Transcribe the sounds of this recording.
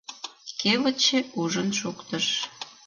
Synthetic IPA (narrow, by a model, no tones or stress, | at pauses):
keβət͡ɕeuʒənʃukt̪əʃ